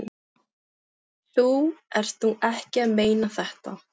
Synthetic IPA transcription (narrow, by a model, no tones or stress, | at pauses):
θuɛɾ̥t̪θuʔɛhcɪaðmeːjnaθɛht̪a